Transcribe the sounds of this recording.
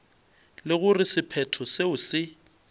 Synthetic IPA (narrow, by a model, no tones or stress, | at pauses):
lɪɣʊrɪsɪpʰɛtʰɔseʊsɪ